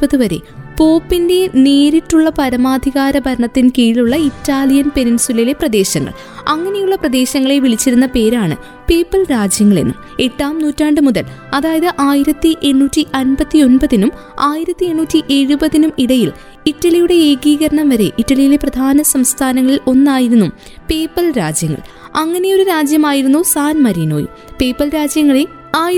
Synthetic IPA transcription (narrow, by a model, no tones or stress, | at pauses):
pɐðɨʋɐɾe̞̰po̞ːpːinde̞neːɾitːuɭːɐpɐɾɐmaːd̪ʱiɣaːɾɐbʱɐɾɐɳɐt̪ːinkiːluɭːɐitːaːlijɐnpe̞ɾinsulɐile̞prɐd̪e̞ːɕɐŋːɐ̰ɭ | ɐŋːɐne̞juɭːɐprɐd̪e̞ːɕɐŋːɐɭeʋiɭit͡ɕːiɾunːɐpe̞ːɾaːɳɨ̰ | peːpːɐlɾaːd͡ʑjɐŋːɐɭḛnːṵ | e̞ʈːaːmnuːtːaːɳɖɨmuðɐl | ɐðaːjɐðɨʔaːjiɾɐt̪ːɨʔe̞ɳːuːtːiʔɐnbɐt̪ːio̞nbɐðinum | aːjiɾɐt̪ːie̞ɳːuːtːiʔe̞ɻubɐðinumiɽɐjil | itːɐɭijuɽe̞e̞ːɡiːɣɐɾɐɳɐmʋɐɾe̞ʔitːɐɭijile̞prɐd̪ʱaːnɐsɐmst̪ʰaːnɐŋːɐɭilo̞nːaːjiɾunːum | pe̞ːpːɐlɾaːd͡ʑjɐŋːɐ̰ɭ | ɐŋːɐne̞joɾuɾaːd͡ʑjɐmaːjiɾunːusaːnmɐɾino̞ːjṵ | pe̞ːpːɐlɾaːd͡ʑjɐŋːɐɭe | aː